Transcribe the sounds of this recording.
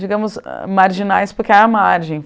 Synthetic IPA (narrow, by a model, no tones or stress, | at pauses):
d͡ʒiɡɐ̃mʊz̰maɾʒinajspʊɾkɪɛɐmaɾʒẽj̃